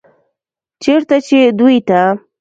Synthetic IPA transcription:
t͡ʃeɾt̪at͡ʃed̪ujt̪a

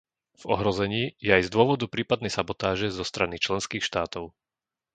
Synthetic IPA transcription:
v̥ɔ̰ɦɾɔzɛɲiːjɛajzd̪ʊɔʋɔd̪upɾiːpad̪nɛjsabɔt̪aːʒɛzɔst̪ɾanit͡ʃlɛnskiːxʃt̪aːt̪ɔʊ

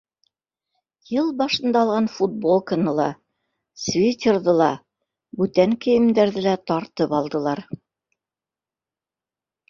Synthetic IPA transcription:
jɤlˠbɑʃɤ̆nd̪ɑlˠʁɑnfut̪̚bolˠkənɤlˠɑ | svʲit̪ʲerðɤlˠɑ | bʉt̪æŋkɘ̆jɘ̆md̪æɾðɘlæt̪ɑɾt̪ɤpɑlˠd̪ɤ̆lˠɑɾ

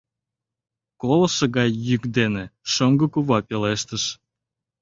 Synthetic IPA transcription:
kolɤ̆ʃə̆ɣɑjːykd̪eneʃoŋɡəkuβɑpʲeleʃt̪əʃ

